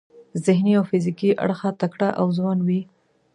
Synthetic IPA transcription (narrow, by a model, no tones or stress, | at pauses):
zɪhniawfɪzɪkiʔa̰ɽxat̪akɽaʔawzwanwi